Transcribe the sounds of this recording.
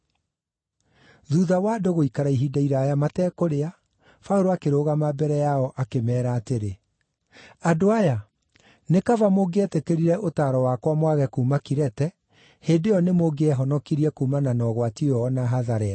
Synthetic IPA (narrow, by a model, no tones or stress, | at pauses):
ðuðawaːdoɣoikaɾaiɦidaiɾaːjamatɛːkoɾea | fauɾoakeɾoːɣamabɛɾɛjaɔʔakemɛːɾaːteɾe | adoaja | nekavamoɡeɛtekeɾiɾɛʔotaːɾɔwakwamwaɣɛkuːmakiɾɛtɛ | heːndejɔnemoɡeɛɦɔnɔkiɾiɛkuːmananɔɣwatiɔːnaɦaðaɾɛɾa